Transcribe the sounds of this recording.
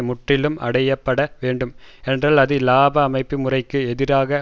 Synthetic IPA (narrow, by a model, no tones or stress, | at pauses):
mʊʈrɪlɯmɐ̰ɽɐjɐpːɐɽɐʋeːɳɖɯmɛndraːlɐðɯlaːbɐːmɐɪpːimʊrɐɪkːɯɛðɪɾaːɣɐ